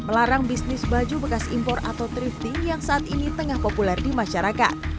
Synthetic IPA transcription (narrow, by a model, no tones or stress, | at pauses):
məlaɾaŋbisnɪsbad͡ʒubəkasimpɔra̰t̪awt̪ɾift̪ijaŋsaːt̪init̪əŋahpopulɛrdimaʃaɾaka̰t̪̚